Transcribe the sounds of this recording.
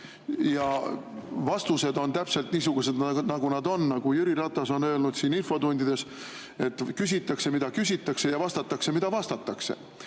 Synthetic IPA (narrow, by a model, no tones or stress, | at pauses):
jɑ | vɑst̪use̞d̪o̞nt̪æpse̞lt̪niːsuɡ̥use̞d̪d̪nɑɡ̥unɑd̪o̞nːɑɡ̥ujyɾiɾɑt̪ːˑɑso̞nø̞elnud̪̥siːninfo̞d̪unʲd̪id̪̥e̞s | e̞t̪ːˑkys̬ʲit̪ˑːɑkse̞mid̪ɑkysʲit̪ːˑɑkse̞jɑvɑst̪ɑt̪ːˑɑkse̞mid̪̥ɑvɑst̪ɑt̪ːˑɑksḛ